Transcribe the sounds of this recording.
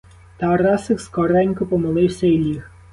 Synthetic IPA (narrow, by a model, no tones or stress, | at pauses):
t̪ɑɾɑsɪkskɔɾɛnʲkʊpɔmɪlˠɪwsʲɐilʲix